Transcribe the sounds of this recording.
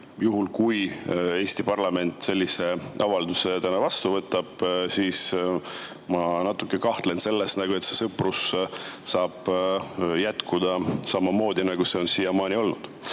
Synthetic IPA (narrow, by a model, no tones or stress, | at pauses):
juɦulkuje̞ːst̪ipɑrlɑme̞nʲt̪ːˑse̞lʲːise̞ɑvɑld̪use̞t̪ænɑvɑst̪uvɤt̪ːˑɑb̥siːs | mɑnɑt̪ːˑukːˑe̞kɑht̪le̞nse̞lːesnɑɡ̥ue̞t̪se̞sɤprussɑːb̥ | jæt̪kud̪̥ɑsɑmːɑmo̞ːd̪̥inɑɡ̥use̞o̞nsiːjɑmɑːnʲio̞lnud̪̥